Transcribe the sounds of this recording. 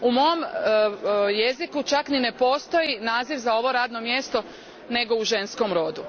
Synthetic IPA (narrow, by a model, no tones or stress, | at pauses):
umo̞om | je̞zikut͡ʃaknine̞po̞ːst̪o̞inaːziʋzao̞ʋo̞ɾaːd̪no̞mje̞st̪o̞ | ne̞ɡo̞uʒe̞nsko̞mɾo̞d̪u